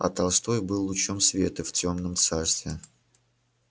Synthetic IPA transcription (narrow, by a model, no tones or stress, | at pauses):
ɐ̰t̪ɐlˠst̪o̞jbɨlˠːʊt͡ɕo̞msvʲe̞t̪əftʲo̞mnəmt̪sarst̪vʲɪ